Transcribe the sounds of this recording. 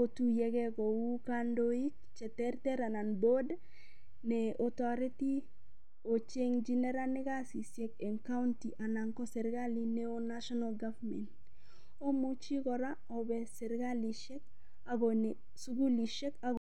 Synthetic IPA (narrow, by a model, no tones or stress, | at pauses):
otujɛkɛkɔukandoik̚ | t͡ʃɛtɛɾtɛɾananbod | nɛɔtaɾiti | ot͡ʃeŋd͡ʒinɛɾanɪkasisjɛkɛŋkauntiʔanaŋkɔsɛɾɡalineonaʃɔnalɡavmɛ̰nt | omut͡ʃikɔɾa | ɔbɛsɛɾɡaliʃɛk | an | suɡuliʃɛka